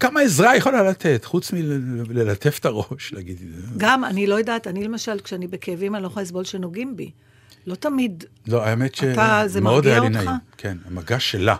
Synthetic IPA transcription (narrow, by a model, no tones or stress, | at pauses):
kamaezʁajeχolalat̪ʰetχut͡smilelat̪ʰefe̥taʁo̞ʃl̰ɡid̪ɡama̰nilo̞jedaːtanile̞maʃalkʃeanibekevimaniloχojasbo̞lʃenoɡimbi | lo̞tamid | lo̞aemet̪ʃaetazemaod̪aijaolinaakʰenamaɡaʃela